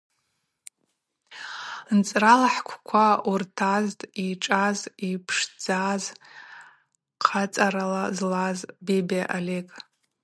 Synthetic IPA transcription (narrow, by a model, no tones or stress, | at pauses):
nt͡sʼralaħkʷʰkʷʰaurtʰaztʼiʈ͡ʂʼazipʰʂd͡zaz | qʰat͡sʼaɾalazlazbebeʔalekʼ